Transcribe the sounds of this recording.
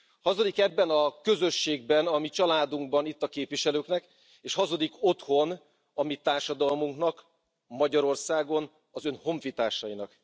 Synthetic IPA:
hɒzo̞d̪ikɛbbɛnɒkø̞zø̞ʃːeːɡ̚bɛnɒmit͡ʃɒlaːd̪uŋɡ̚bɒnit̪ːɒkeːpʋiʃɛløːknɛk | eːʃhɒzo̞d̪iko̞t̪ho̞n | ɒmit̪aːrʃɒd̪ɒlmuŋknɒk | mɒɟɒɾo̞rsaːɡo̞n | ɒzø̞nho̞ɱfit̪aːʃɒinɒk

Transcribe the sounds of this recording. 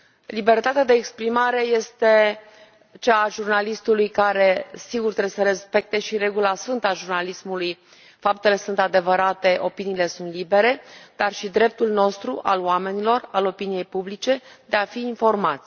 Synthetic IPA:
libe̞rt̪at̪ead̪e̞ːkspɾimaɾe̞je̞st̪e̞ | t͡ʃaːʒurnalist̪ulujkaɾe̞siɡurt̪ɾewesəɾe̞spe̞k̚t̪e̞ʃiɾe̞ɡulasfɨnt̪aʒurnalismuluj | fap̚t̪e̞le̞sunt̪ad̪e̞vəɾat̪e̞ʔo̞piniːle̞sunt̪libe̞ɾe̞d̪arʃid̪ɾe̞p̚t̪ulno̞st̪ɾuʔa̰loame̞nilo̞ralo̞pinije̞jpublit͡ʃe̞d̪e̞afiːnfo̞rmat̪sʲ

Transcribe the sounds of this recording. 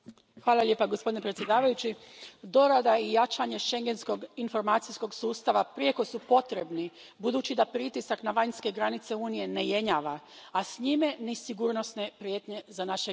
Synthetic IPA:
xʋaːlˠaʎʲepaɡospod̪inepɾet̪sje̞d̪aːʋajut͡ɕid̪o̞ɾad̪aijat͡ʃaɲe̞ʃe̞ŋɡe̞nsko̞ɡinfo̞ɾmaːt̪sijsko̞ɡsuːst̪aʋapɾieko̞supo̞t̪ɾe̞bni | bud̪uːt͡ʃid̪apɾit̪isaknaʋaɲske̞ɡɾanit̪se̞uːnije̞ne̞je̞ɲaːʋaːsɲimenisiɡuɾnosne̞pɾjet̪ɲe̞zanaʃe

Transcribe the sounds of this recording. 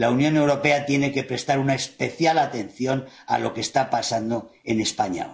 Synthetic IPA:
launjõ̞ne̞wɾo̞pe̞at̪je̞ne̞ke̞pɾe̞st̪aɾunaespe̞θjalat̪e̞nθjo̞n | a̰lʔo̞̰ke̞st̪apasand̪oe̞ne̞spaɲa̰

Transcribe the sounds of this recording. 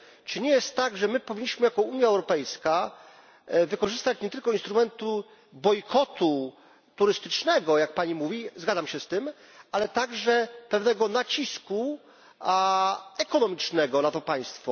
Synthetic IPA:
t͡ʂɘɲɛjɛst̪ːaɡʐɛmɘpɔvʲiɲːiɕmɘjakɔuɲjaɛwɾɔpɛjska | vɘkɔʐɘst̪at͡ɕɲɛt̪ɘlkɔinst̪ɾumɛnt̪u | bɔjkʰɔt̪u | t̪uɾɘst̪ɘt͡ʂnɛɡɔjak̚paɲimuvʲizɡad̪zamɕɛst̪ɘm | alɛt̪aɡʐɛpɛvnɛɡɔnat͡ɕisku | ɛkɔnɔmʲit͡ʂnɛɡɔnat̪ɔpaj̃st̪fɔ

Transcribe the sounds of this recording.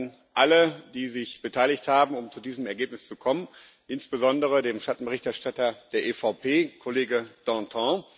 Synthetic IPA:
n | ʔalədiːzɪçb̥ətʰaɪlɪçthaːbm̩ʊmt͡sudiːzəmɛɐɡeːp̚nɪst͡sukʰɔmən | ʔɪnsb̥əzɔndəʁ̞ədeːmʃtatn̩bəʁɪçtɛɐʃtatɐd̥eːɐʔeːfaʊpʰeːkʰoleːɡəd̥ɑ̃tʰɔ̃ː

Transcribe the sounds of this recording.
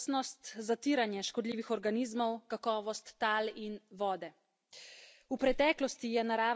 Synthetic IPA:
snɔst̪zat̪iːɾanjɛʃkɔd̪liːʋixɔɾɡaniːzmɔwkakɔːʋɔst̪ːaːlinʋɔːd̪ɛ | upɾɛt̪ɛːklɔst̪ijɛnaɾaː

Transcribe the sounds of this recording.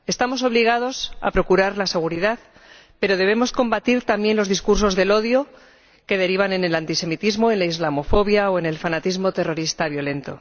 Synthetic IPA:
e̞st̪amo̞so̞βliɣ̞að̞o̞sa̰pɾo̞kuɾaɾlase̞ɣ̞uɾiðað | pe̞ɾo̞ð̞e̞β̞e̞mo̞sko̞mbat̪iɾt̪ambje̞nlo̞zðiskuɾs̬o̞zðe̞lo̞ðjo̞ | ke̞ð̞e̞ɾiβ̞ane̞ne̞lant̪ise̞mit̪izmo̞enlaizlamo̞fo̞βjaoene̞lfanat̪izmo̞t̪e̞ro̞ɾist̪aβjo̞le̞nt̪o̞̰

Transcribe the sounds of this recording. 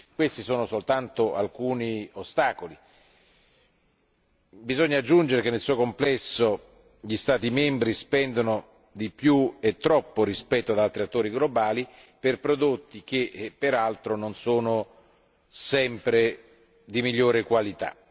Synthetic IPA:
kwest̪isoːnosolt̪ant̪oa̰lkuːniost̪aːkoli | bizɔɲːad͡ʒːund͡ʒeɾekenːelsuːokomplɛsːo | ʎist̪aːt̪imɛmbɾispɛnd̪ono | d̪ipjuet̪ːɾɔpːoɾispɛt̪ːoad̪alt̪ɾiat̪ːoːɾiɡlobaːli | perpɾod̪ot̪ːik̟epːeɾalt̪ɾononsoːno | sɛmpɾe | d̪imiʎːoːɾekwalit̪a̰

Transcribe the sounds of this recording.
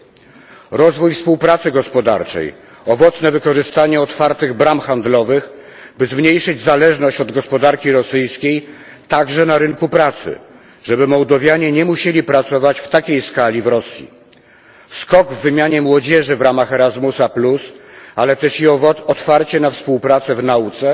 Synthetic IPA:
ɾɔzvujfspuwpɾat̪sɘɡɔspɔd̪a̰ɾt͡ʂɛ̰j | ɔvɔt̪snɛvɘkɔʐɘst̪aɲɛɔt̪faɾt̪ɘɣbɾamxand̪lɔvɘx | bɘzmɲejʂɘd͡ʑzalɛʐnɔɕt͡ɕɔd̪ɡɔspɔd̪aɾkʲiɾɔsɘjskʲej | t̪aɡʐɛnaɾɘŋkupɾat̪sɘ̰ | ʐɛbɘmɔwd̪ɔvʲjaɲɛɲɛmuɕelʲipɾat̪sɔvat͡ɕft̪akʲejskalʲivɾɔsʲjḭ | skɔɡvːɘmʲjaɲɛmwɔd͡ʑɛʐɘvɾamaxɛɾazmusaplusalɛt̪ɛʂiɔɔt̪faɾt͡ɕɛnafspuwpɾat̪sɛvnaut̪sɛ

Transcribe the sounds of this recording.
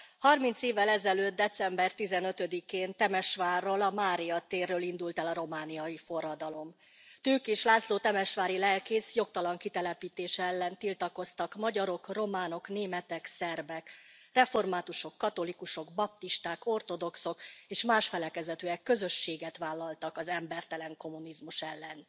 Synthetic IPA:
hɒrmint̪seːvːɛlɛzɛløːd̪̚d̪ɛt̪sɛmbɛrt̪izɛnø̞t̪ø̞d̪ikeːnt̪ɛmɛʃʋaːrːolɒmaːɾijɒt̪eːrːøːlind̪ult̪ɛlɒɾo̞maːnijɒjifo̞rɒd̪ɒlo̞m | t̪øːkeːʃlaːsloːt̪ɛmɛʃʋaːɾilɛlkeːsjo̞k̚t̪ɒlɒŋkit̪ɛlɛpiːt̪eːʃɛɛlːɛnt̪ilt̪ɒko̞st̪ɒkmɒɟɒɾo̞kro̞maːno̞kneːmɛt̪ɛksɛrbɛkrɛfo̞rmaːt̪uʃo̞kːɒt̪o̞likuʃo̞ɡbɒp̚t̪iʃt̪aːko̞rt̪o̞d̪o̞kso̞keːʃmaːʃfɛlɛkɛzɛt̪øːɛkːøzø̞ʃːeːɡɛt̪ʋaːlːɒlt̪ɒkɒzɛmbɛrt̪ɛlɛŋko̞munizmuʃɛlːɛn

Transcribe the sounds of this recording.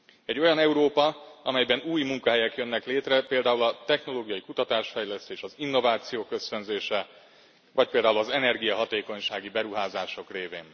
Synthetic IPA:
ɛɟːo̞jɒnɛuɾoːpɒɒmɛjbɛnuːjmuŋkɒɦɛjɛkjønːɛkleːt̪rɛpeːld̪aːulɒt̪ɛxno̞loːɡijɒjikut̪ɒt̪aːʃfɛjlɛst̪eːʃɒzinːo̞vaːt̪sijoːkːø̞sø̞nzeːʃɛ | vɒc̚peːld̪aːulɒzɛnɛrɡijɒɦɒt̪eːko̞ɲʃaːɡibɛɾuɦaːzaːʃo̞kreːveːn

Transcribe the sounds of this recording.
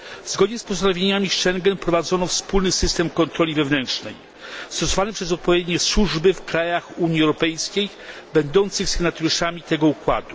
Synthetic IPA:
vzɡɔd̪ɲɛspɔsd̪anɔvʲjeɲamʲiʂɛŋɡɛnpɾɔvad̪zɔnɔfspulnɘsɘst̪ɛmkɔnt̪ɾɔlʲivɛvnɛntʂnɛ̰j | st̪ɔsɔvanɛpʂɛz̬ɔt̪̚pɔvʲjed̪ɲɛswuʐbɘfkɾajaxuɲiɛwɾɔpɛjskʲej | bɛnd̪ɔnt̪sɘxsɘɡnat̪ɔɾuʂamʲit̪ɛɡɔukwa̰d̪u

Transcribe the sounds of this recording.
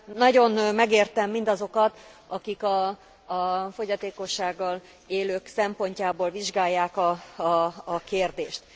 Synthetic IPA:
nɒɟo̞nmɛɡeːrt̪ɛmːind̪ɒzo̞kɒt̪ɒkikɒ | fo̞ɟɒt̪eːko̞ʃːaːɡːɒl | eːløːksɛmpo̞ɲcaːboːlviʒɡaːjːaːkɒː | keːrd̪eːʃt̪

